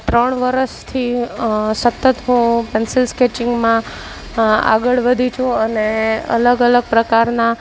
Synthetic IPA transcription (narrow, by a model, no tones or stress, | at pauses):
t̪ɾəɳ̃ʋəɾəʃt̪ʰi | sət̪ːət̪ɦũpɛnsɪlsket͡ʃɪŋɡmã | a̰ɡəɭʋəd̪ʱit͡ʃʰũəneə̰ləɡələɡ̚pɾəkaɾna